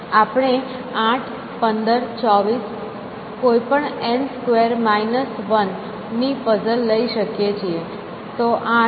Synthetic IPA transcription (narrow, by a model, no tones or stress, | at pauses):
apɽ̃e | ãʈʰ | pənd̪əɾt͡ʃɔʋis | koipəɳɛnskʋeɾmainəsʋənː | ifəsəlːəiʃəkjet͡ʃʰie | t̪oʔa